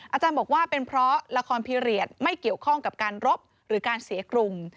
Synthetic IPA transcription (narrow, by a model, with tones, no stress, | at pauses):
ʔa˧t͡ɕaː˧nbɔː˨˩k̚waː˥˩pe˧npʰɾɔ˦˥la˧kʰɔː˧npʰiː˧ɾi˨˩ət̪̚ma˥˩jki˨˩əwkʰɔ˥˩ŋka˨˩p̚kaː˧nɾo˦˥p̚ | ɾɯː˩˦kaː˧nsi˨˩˦əkɾu˧ŋ